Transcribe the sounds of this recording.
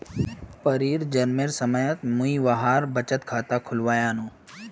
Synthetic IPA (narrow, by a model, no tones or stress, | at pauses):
pəɾiːɾd͡ʒɐɾmeɾsəməjət̪mũiʋaɦaːɾbət͡ʃət̪kʰaːt̪akʰʊlʋaːjaːnũː